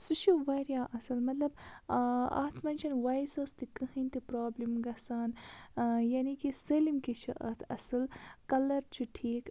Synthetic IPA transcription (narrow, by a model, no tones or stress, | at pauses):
sɨʃʰuʋɐɾjaːʔɐsɐlmɐt̪lɐb | ɐ̰t̪ʰmɐnʲt͡ʃʰɐnʋɐjsɐst̪ikɐhint̪ipɾaːblimɡɐsaːn | jaːnikiselimkiʃʰɐʔɐ̰t̪ʰɐ̰sɨlkɐlɐɾt͡ʃʰiʈʰiːk